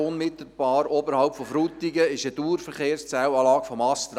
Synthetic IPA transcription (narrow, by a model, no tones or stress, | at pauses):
ʊnmɪt̪l̩b̥ɑːɾobəɾhɑʊwpfɔfɾut̪iɡəɪʃəd̥uːɾfəɾχeːrst͡sæwɑːlɑːkfɔmɑst̪ɾ